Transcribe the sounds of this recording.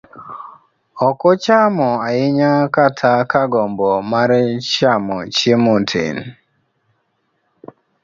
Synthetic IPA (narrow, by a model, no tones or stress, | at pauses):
ɔkɔt͡ʃamɔajɪɲakatʰakaɡɔmbɔmaɾɛt͡ʃamɔt͡ʃemotʰḛn